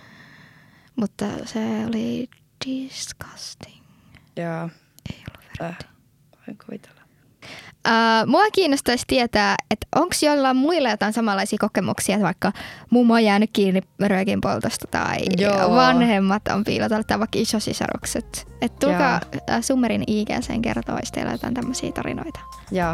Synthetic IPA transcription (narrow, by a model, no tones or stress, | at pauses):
mut̪ːɑ̰seoli | d̥iskɑ̥st̪i̥ŋ | joː | ejo̰lːuʋʋeri̥ | oiŋkuʋit̪e̥lːɑ | ʔəːmuɑkiːnːost̪ɑist̪iet̪æːet̪ʔoŋksjoilːɑːmmuilːɑjot̪ɑinsɑmɑlːɑisiːkokemṵksiːet̪ʋɑikːɑmumːojæːnykkiːnːirøːkimpolt̪ost̪ɑ̥t̪ɑ̰iʋɑnhemːɑt̪o̰mpḭːlɑt̪ɑlːet̪ːɑʋɑikːɑisosḭsɑ̰ɾṵkset̪ | et̪t̪ulkɑsumːeɾiniːkæ̰sḛːŋkḛrt̪o̰ist̪ḛilæ̰jot̪ɑ̰int̪æmːøsḭːt̪ɑ̰ɾḭno̰it̪ɑ̥ | jɑː